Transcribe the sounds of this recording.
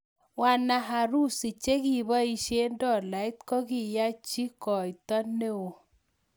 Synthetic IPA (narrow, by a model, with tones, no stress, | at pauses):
wa˨na˨ɦa˨ɾu˦˨si˨t͡ʃe˦ki˦˨ba˦i˦ʃe˦ndɔ˦˨la˨ɪ˦t̪kɔ˦ɡi˦˨ja˦t͡ʃi˦kɔ˨i˨t̪ɔ˦ne˦o˨